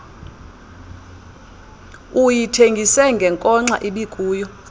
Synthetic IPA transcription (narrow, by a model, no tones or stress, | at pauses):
ujitʰeŋɡʱisɛŋɡʱɛŋkʼɔŋ͡ǀa̰ʔiɓikʼuːjɔ